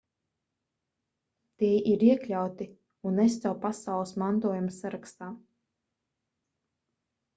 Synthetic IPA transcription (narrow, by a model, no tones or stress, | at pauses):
t̪iɛʔiɾiɛklʲawt̪i | unːɛs̬t̪ɛwpasawlˠəsmant̪uɔjumsaɾakst̪aː